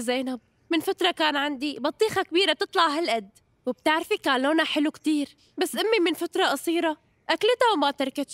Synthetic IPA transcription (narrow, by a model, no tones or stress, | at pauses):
zaːnab̚ | mɪnfat̪ɾˤɑkaːnʕand̪ibɑt̪ˤːiːxɑkbiːɾab̚t̪ɨt̪ˤlɑʕɦalʔad̪ː | wɪb̚t̪ɪʕɾfikaːnloːnaħɪlukt̪iːɾ | basːʔɪmːimɪnfat̪ɾˤɑʔɑsˤiːɾˤɑ | ʔaklt̪awmat̪ɑɾˤkat̪ʃ